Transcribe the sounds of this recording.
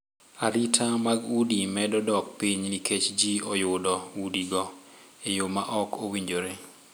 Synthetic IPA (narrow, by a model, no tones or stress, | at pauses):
aɾitʰamaɡudimɛdɔdɔk̚piɲniket͡ʃd͡ʒiɔjʊdɔudiɡɔ | ejomaʔɔkowiɲd͡ʒoɾe